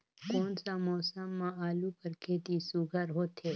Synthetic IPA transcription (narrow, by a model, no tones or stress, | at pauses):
koːnsamɔːsəmːãaːlukəɾkʰeːt̪isuɡʱəɾɦoːt̪ɦeː